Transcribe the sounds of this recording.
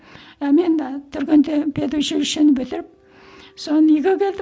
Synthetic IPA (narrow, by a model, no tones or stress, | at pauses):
æme̞nt̪ʰʏɾɡʲend̪epʰed̪uʃeʃenɪbɪlɪɾɪp̚ | sonəniɡʲekʲʰe̞ld̪ɪ